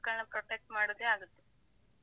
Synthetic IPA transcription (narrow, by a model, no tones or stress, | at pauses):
kːɐɭnɐpɾoʈek̚ʈmaːɽud̪eaːɡut̪ːe̥